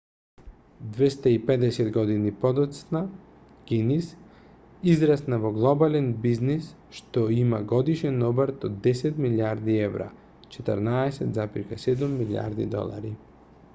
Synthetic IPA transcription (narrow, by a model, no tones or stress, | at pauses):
d̪vɛst̪aipɛd̪ɛsɛd̪ɡɔd̪inipɔd̪ɔt̪sna | ɡ̥inis | izɾasnavɔɡlˠɔbalɛnbiznis | ʃt̪ɔimaɡɔd̪iʃɛnɔbaɾt̪ɔd̪ːɛsɛt̪miliaɾd̪iɛvɾa̰ | t͡ʃɛt̪ə̰ɾnaɛsɛt̪zapiɾkasɛd̪umːilʲia̰ɾd̪ḭd̪ɔ̰lˠa̰ɾi